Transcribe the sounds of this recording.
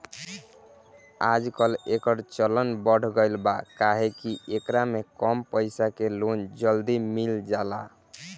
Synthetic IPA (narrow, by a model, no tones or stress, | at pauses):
ad͡ʒkəlekəɾt͡ʃələnbəɽ̤ɡəjlbakaɦekiʔekɾamekɔmpəɪsakelond͡ʒəld̪imild͡ʒala